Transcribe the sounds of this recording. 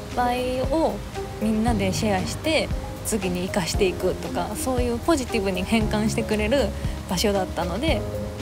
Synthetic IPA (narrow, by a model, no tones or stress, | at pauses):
paio̞ | mʲĩnːad̪e̞ɕiaɕi̥t̪e̞ | t͡sɨɡʲiɲ̟iːkaɕi̥t̪e̞ikɯ̟t̪o̞ka̰so̞ːjɯ̟ːpo̞ʑit̪ʲibɯ̟ɲ̟ihẽ̞ŋkãɰ̃ɕi̥t̪e̞kɯ̟ɾe̞ɾɯ̟b̥aɕo̞d̪at̪ːano̞d̪e̞